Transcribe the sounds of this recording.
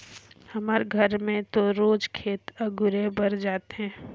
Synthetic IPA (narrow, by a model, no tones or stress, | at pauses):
hɐmaɾɡʱəɾmẽt̪oɾoːd͡ʒkʰeːt̪əɡʊɾebɐɾd͡ʒaːt̪eɦɛ̃ː